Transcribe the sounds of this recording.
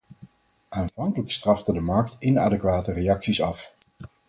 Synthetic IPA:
ʔaːnv̥ɑŋkələkstrɑftədəmɑɹk̚tɪnaːdəkʋaːtərejɑksisɑf

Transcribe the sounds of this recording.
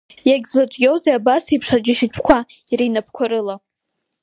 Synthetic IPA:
jaɡʲzlat͡ʃʷʼɡʲewzeabasipʰʂad͡ʒɪʃitʷʰkʷʰa | iɾinapʰkʷʰaɾɨla

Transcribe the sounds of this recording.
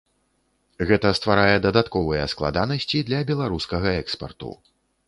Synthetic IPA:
ɣɛt̪ɐst̪vaɾajɛd̪ɐd̪at̪kɔvɨjɛsklˠa̰d̪anɐsʲt͡sʲid̪lʲɐbʲɛlˠaɾuskɐɣɐɛkspɐ̰rt̪ṵ

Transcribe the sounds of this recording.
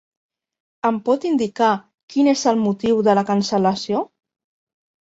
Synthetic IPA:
əmpɔt̪ind̪ika | kinezəlˠmut̪iwðələkənsələsijo

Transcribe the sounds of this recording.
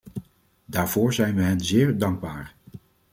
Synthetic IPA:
daːɹv̥ʊːɹzɛjnʋəɦɛnzɪːɹdɑŋɡ̚baːɹ

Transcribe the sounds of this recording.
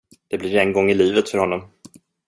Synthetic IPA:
d̪̥ɛblɪɾɛnɡɔŋːɪliːvət̪fœɾhɔnːɔm

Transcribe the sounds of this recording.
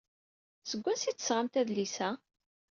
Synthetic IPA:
səɡʷːænsit͡sːsʁamt̪æðlisæ

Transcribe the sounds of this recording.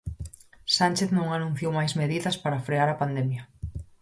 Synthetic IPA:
sanʲt͡ʃeθnõŋanũn̟θjowmajzmeðiðɐspaɾafɾeaɾɐpand̪ɛmjɐ

